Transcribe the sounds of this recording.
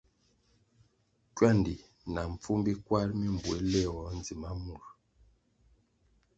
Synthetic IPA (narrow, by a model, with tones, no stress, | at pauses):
kwa˦˨ndi˨ | na˨ɱ˨p͡fu˦mbi˦kwa˦ɾmi˦m̩˨bwe˨˦lɛ˦˨wɔ˨˦n˦d͡zi˨ma˦mu˨ɾ